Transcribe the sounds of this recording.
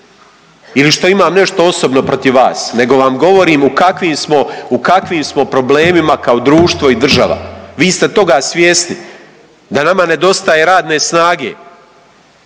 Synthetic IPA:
iliʃt̪o̞imaːmne̞ʃt̪o̞o̞so̞bno̞pɾo̞t̪iʋʋa̰ːsne̞ɡo̞ʋamɡo̞ʋo̞ɾiːmukakʋiːmsmo̞ukakʋiːmsmo̞pɾo̞ble̞ːmimakaod̪ɾuːʃt̪ʋo̞id̪r̩ʒa̰ʋa̰ʋiːst̪e̞t̪o̞ɡaːsʋjeːsni | d̪anamane̞d̪o̞st̪aje̞ɾaːd̪ne̞snaːɡeː

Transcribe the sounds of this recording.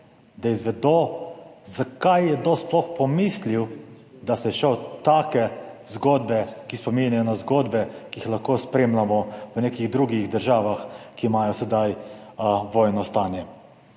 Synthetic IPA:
d̪aizʋɛd̪o | zakajːɛd̪osplɔxpɔmisliw | d̪asɛɛʃɛt̪aːkɛzɡoːd̪bɛkispɔminʲajɔnazɡoːd̪bɛkiixlaxkoːspɾeːmlamɔʋənekiɣd̪ɾuɡiɣd̪əɾʒaːʋaxkiːmaːjɔsɛd̪aj | ʋɔːjnɔst̪aːnjɛ

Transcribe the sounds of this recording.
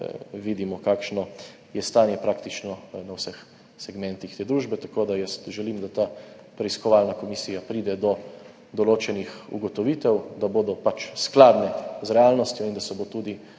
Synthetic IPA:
ʋiːd̪imɔkaːkʃnɔ | jɛst̪aːnjɛpɾaːkt̪it͡ʃnɔnawsɛx | sɛɡmɛ̃nt̪ixt̪eːd̪ɾuːʒbɛt̪akoːd̪ajɛst̪ʒɛliːmd̪at̪aː | pɾɛiskɔʋalnakɔmisiːjapɾiːd̪ɛd̪ɔ | d̪ɔloːt͡ʃɛnixṵɡɔt̪ɔʋit̪ɛwd̪aboːd̪ɔpat͡ʃsklaːd̪nɛzɾɛaːlnɔst̪jɔind̪asɛbot̪uːd̪i

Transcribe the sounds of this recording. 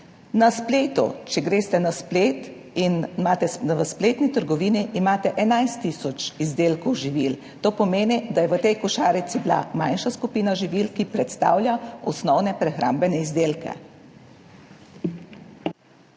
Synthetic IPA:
naspleːt̪ṵt͡ʃɛɡɾeːst̪ɛnaspleːt̪ | inmaːt̪ɛʋəspleːt̪nit̪əɾɡɔʋiːniʔːmaːt̪ɛʔɛnajst̪isɔt͡ʃizd̪eːlkɔwʒiʋil | t̪oːpɔmeːnid̪ajɛʋət̪ɛjkɔʃaːɾit̪sibla̰majnʃaskupiːnaʒiʋiːlkipɾɛt̪st̪a̰ːwlʲjaɔsnɔwnɛpɾɛxɾa̰ːmbɛnɛizd̪eːlkɛ̰

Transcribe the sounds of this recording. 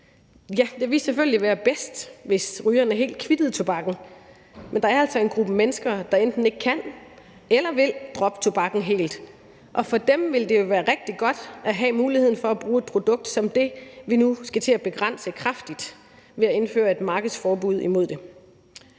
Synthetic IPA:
jæd̥e̝ʋiseføl̰liʋæːɐb̥esd̥ʋe̝sʁyːɐnæɐɦe̝̰ːld̥kʰʋid̥əð̩ˠt͡sʰo̝b̥ɑ̈ɡ̥n̩ | mend̥ɑ̈æɐæl̰sɒ̽e̝nɡ̥ʁub̥əmenəsɡ̥ɐd̥ɑ̈end̥n̩e̝ɡ̥̚kʰæn | elɐʋe̝ld̥ʁɒ̽b̥t͡sʰo̝b̥ɑ̈ɡ̥n̩ɦe̝̰ːld̥ | ʔɒ̽fɒ̽d̥emʋe̝ld̥e̝jo̝ʋæːɐʁɛɡ̥̚d̥iɡ̥ɒ̽d̥ʔæɦɛmuːliheð̰ˠn̩fɒ̽æb̥ʁuːe̝d̥̚pʰʁo̝d̥ɔ̽ɡ̥̚d̥sɒ̽md̥e̝ʋinusɡ̥æt͡sʰe̝æb̥e̝ɡ̥ʁan̰səkʰʁafd̥id̥ | ʋe̝æe̝nfø̰ːɐe̝d̥mɑ̈ːɡ̥ð̩ˠsfɒːb̥uð̞̰ˠimo̝ð̞̰ˠd̥e̝

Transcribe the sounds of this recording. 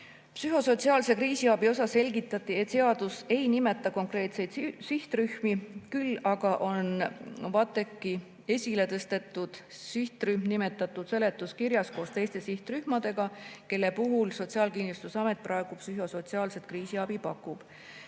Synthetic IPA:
psyɦo̞so̞t̪siɑːlse̞kriːsiɑb̥io̞sɑse̞lʲɡit̪ːˑɑt̪ːˑie̞t̪seɑd̪use̞jnime̞t̪ːˑɑko̞ŋkre̞ːt̪se̞jd̪siht̪ryhmikylːɑɡ̥ɑʔo̞nvɑt̪ːˑe̞kːi | e̞sʲile̞t̪ɤst̪e̞t̪ːˑud̪̥ | siht̪ryhmnime̞t̪ːˑɑt̪ˑːud̪̥se̞le̞t̪ːˑuskiɾjɑsko̞ːst̪e̞jst̪e̞siht̪ryhmɑd̪̥e̞ɡ̥ɑke̞lːe̞puɦulso̞t̪siɑːlkinlust̪usɑme̞t̪̚ˑprʔɑe̞ɡ̥upsyɦo̞so̞t̪siɑːlse̞t̪̚kriːsiɑb̥ipɑkːˑub̥

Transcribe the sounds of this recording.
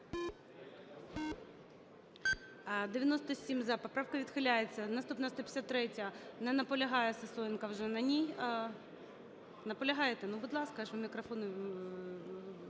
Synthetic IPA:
d̪ɪʋʲjɐnɔst̪ɔsʲimʲzɐpɔpɾɑwkɐʋʲid̪xɪlʲajet͡sʲːɐnɐst̪upnɐst̪ɔpʲsʲat̪ːɾɛtʲɐnɛnɐpɔlʲɐɦɑjɛsɐsɔjɪnkɐwʒɛnɐnʲij | nɐpɔlʲɐɦɑjet̪ɛnubʊd̪lˠɑskɐʃmʲikɾɐfɔnʊ

